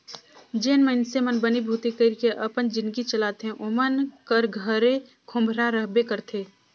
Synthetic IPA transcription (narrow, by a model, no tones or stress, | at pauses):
d͡ʒeːnmənsemənbənibʱuːt̪ikəɾkeʔəpənd͡ʒɪ̃nd̪ɡit͡ʃəlaːt̪eɦɛ̃ʔomənkəɾɡʱəɾe | kʰʊ̃mbʱɾaɾəɦbekəɾt̪ʰeː